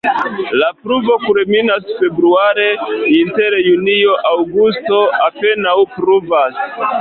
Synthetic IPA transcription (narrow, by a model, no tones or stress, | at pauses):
lapɾuvo̞kulminasfe̞bɾuaɾe̞inteɾjunioʔawɡusto̞ape̞nawpɾuvas